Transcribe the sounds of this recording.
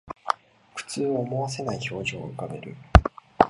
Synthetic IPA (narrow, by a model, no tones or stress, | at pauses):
kɯ̟̥t͡sɨːoːmo̞βas̬e̞naiço̞ːʑo̰ːɯ̟kame̞ɾɯ̟